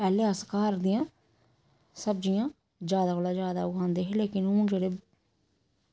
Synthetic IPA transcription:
pɛːleːəskaːɾd̪ɪjãː | səb̚d͡ʒɪjãː | zjaːd̪aːkoːlaːd͡ʒjaːd̪a̰ːʊkãːnd̪eːɦẽleːkɪnʊ̃ːd͡ʒeːɽeː

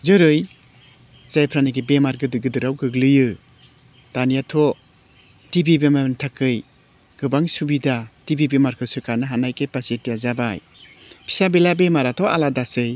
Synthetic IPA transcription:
zɯɾɯj | z̥ajpʰɾanɯɡibemaɾɡɯdɯɡɯdɯɾawɡɯɡlɯjɯ | tanijatʰɔ | tibibemantʰakʰːɯj | ɡ̥ɯbaŋsubidatibibemaɾkʰɯsɯkʰanɯɦanajkepasetijazabaj | pʰi̥sabelabemaɾatʰɔaladasɯj

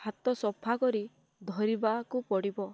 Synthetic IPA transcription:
hat̪ɔsɔpʰakɔɾi | d̪ʱɔɾibakupɔɽibɔ

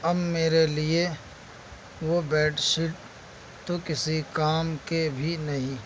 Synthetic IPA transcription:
ɐbmeːɾelie | ʋobɛːɖʃɪʈ | t̪okɪsikaːmkebʱinɐɦĩː

